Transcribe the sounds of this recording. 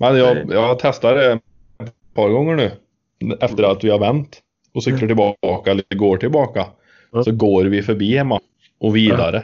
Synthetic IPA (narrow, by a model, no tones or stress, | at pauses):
mɛnjɑjɑt̪ʰɛst̪aɖɛ | pʰɑɾɡɔŋːəɳʉː | ɛft̪əɾat̪ʋɪhɑɾvɛnt̪ | ɔsʏkləʈɪlbɑkaɛlːəɡoːʈʰɪlbɑːka | sɔɡoːɾʋɪfœɾbiːhɛmːa | ʔɔʋiːd̪aɾə